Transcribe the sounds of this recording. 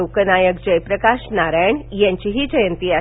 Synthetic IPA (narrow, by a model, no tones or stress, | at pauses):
okənajəkd͡ʑəjpɾəkaʃnaɾajɳjãɲt͡ɕiɦiːd͡ʑəjənt̪ia